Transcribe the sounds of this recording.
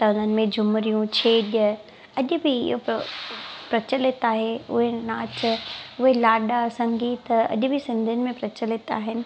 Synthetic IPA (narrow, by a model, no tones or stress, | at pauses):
t̪ɐʊn̤ənɪ̆mẽd͡ʑʱʊmɾijũt͡ɕʰeːɗə | ɐʄʊ̆bʱɪɪ̰ɦo | pɾɐt͡ɕəlɪt̪aːɦeʊ̰ɦenaːt͡ɕʊɦelaːɗasɐ̃ŋɡiːt̪ɐ̰ʄʊ̆bʱɪsɪ̃nd̪ʱijənɪ̆mẽpɾɐt͡ɕəlet̪a̰ːɦɪnɪ̆